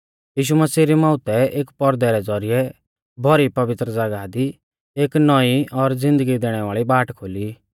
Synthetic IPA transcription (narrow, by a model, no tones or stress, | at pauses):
jiːʃ̬uməsiːɾimãːʊt̪ɛeːkpɔɾd̪ɛɾɛd͡zɔɾijɛ | bʱɔɾipɐʋɪt̪ɾəd͡zaɡad̪i | eːknɔiɔɾd͡zɪ̃nd̪əɡid̪eːɽ̃ɛʋaːɭibaːʈkʰoːli